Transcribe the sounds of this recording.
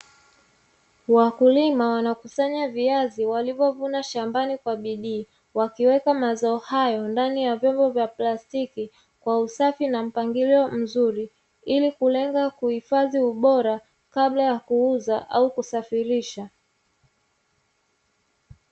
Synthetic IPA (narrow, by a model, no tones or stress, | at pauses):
wakulimawanakusaɲaviaziwalivɔvunaʃambanikwaɓiɗiː | wakiwɛkamazaɔhajɔndanijavjɔmbɔvjaplastiki | kwausafinam̩paŋɡiliɔm̩zuɾi | ilikulɛŋɡakuhifaðiuɓɔɾa | kaɓlajakuuzaʔaukusafiɾiʃa